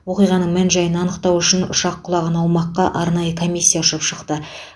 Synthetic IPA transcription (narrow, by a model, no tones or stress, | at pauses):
wo̞qijʁɑnəɴmænʒɑjənɑnəqt̪ɑwʏʃɪnʊ̰ʃɑqʰːʊlˠɑʁənɑwmɑqːɑʔɑɾnɑjəkʰo̞mʲijsʲːijaʊʃəpʃəqt̪ə